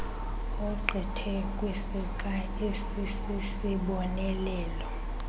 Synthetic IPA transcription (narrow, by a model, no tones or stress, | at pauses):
ɔǃʱɛtʰɛ | kʼwisik̬ʼa | esisisiɓɔnɛlɛːlɔ